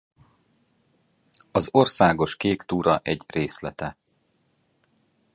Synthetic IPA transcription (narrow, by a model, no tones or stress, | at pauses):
ɒzo̞rsaːɡo̞ʃkeːkt̪uːɾɒʔɛɟreːslɛt̪ɛ